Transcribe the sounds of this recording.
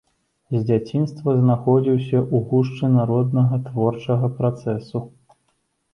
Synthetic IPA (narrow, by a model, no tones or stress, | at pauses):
zʲd͡zʲat͡sʲinst̪vɐznaxɔd͡zʲiwsʲɐʔuɣuʂt͡ʂɨnaɾɔd̪nɐɣɐt̪vɔrt͡ʂɐɣɐpɾat̪sɛsu